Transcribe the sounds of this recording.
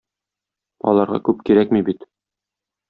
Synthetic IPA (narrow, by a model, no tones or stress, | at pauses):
ɒ̰lˠɑɾʁɑ̰kʉp̚kiɾækmibit̪